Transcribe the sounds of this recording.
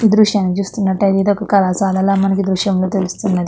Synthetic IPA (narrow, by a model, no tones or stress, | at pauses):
iːd̪ɾuʃjaːnːit͡ʃuːst̪unːɐʈːɐd̪eːd̪ɔkɐkɐlaːsaːlɐlːaːmɐnɐk̬id̪ɾuʂjɐmloːt̪elust̪unːɐd̪i